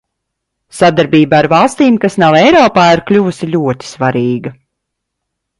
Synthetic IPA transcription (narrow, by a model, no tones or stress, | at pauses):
sad̪aɾbiːbaaɾvɑlˠst̪iːmkasnawɛjɾɔːpaːiɾklʲuvusiʎʲuɔt̪i̥svaɾiːɡɐ